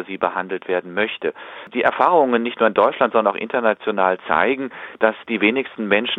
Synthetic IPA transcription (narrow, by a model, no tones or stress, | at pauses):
ɐziːbəhandl̩tv̥eːɐdn̩mœçtəd̥iːʔɛɐfaːʁʊŋənːɪçtnuːɐɪndɔʏtt͡ʃʃlantz̥ɔndɐnaʊxʔɪ̰ntɐnat͡sjonaːlt͡sa̰ɪɡŋ̩d̥asd̥iːveːnɪçstn̩mɛnʃn